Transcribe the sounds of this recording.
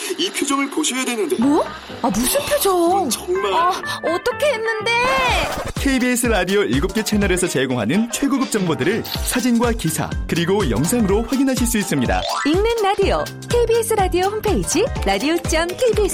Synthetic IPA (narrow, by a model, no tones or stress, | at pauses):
ipʰjod͡ʑʌŋɯɭpoɕʰʌjadwenːɯndemʌ | amusʰɯnpʰjod͡ʑoʌŋmaʌt͈ʌkʰe̞ɦenːɯnde̞ | kʰeibies͈ʰɯɾadiʌiɭɡop̚k͈et͡ɕʰe̞nʌɾe̞sʰʌt͡ɕe̞ɡoŋɦa̰nɯnt͡ɕʰwe̞ɡuɡɯp̚t͡ɕ͈ʌŋbodɯɾɯɭsʰad͡ʑinɡwakisʰa̰kɯɾiɡojʌ̰ŋsʰaŋɯɾoɸwaɡinɦaɕ̬ʰiɭs͈uis͈ɯmɲida̰iŋnɯnɾadiʌ | kʰeibies͈ʰɯɾadioɸʰumpʰe̞id͡ʑiɾadiot͡ɕ͈amkʰeibies